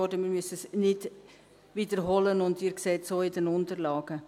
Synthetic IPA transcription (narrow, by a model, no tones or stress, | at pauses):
ɔdəmiːɾmysəsnɪd | viːdəɾɦɔlənʊndiːɾkseːtsoːɪdɛnʊntəɾlɑːɡ̥ə